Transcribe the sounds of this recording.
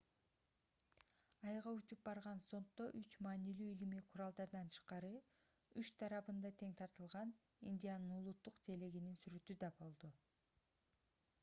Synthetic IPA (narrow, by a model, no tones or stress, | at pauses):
ɑjʁɑut͡ʃup̚bɑɾʁɑnso̞nt̪ːo̞ʔyt͡ʃmɑːnilyːilimiqʰʊɾɑlˠd̪ɑɾd̪ɑnt͡ʃʰɯ̥ʃqɑɾɯ | yt͡ʃt̪ʰɑɾɑβɯnd̪ɑt̪ʰe̞ŋt̪ʰɑɾt̪ɯlˠʁɑn | ḭnʲd̪ʲijanɯnulˠut̪ːuqt̪ʰe̞leɡininsyɾøt̪yd̪ɑbo̞lˠd̪u